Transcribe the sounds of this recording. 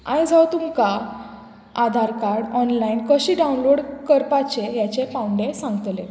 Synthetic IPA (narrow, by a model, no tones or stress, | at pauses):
ã̰jd͡zʱawt̪umka | ad̪ʱaɾkaɾɽɔnlainkəɕiːɖawnloɽkəɾpat͡ɕejat͡ɕepãwuɳɖesãŋɡət̪le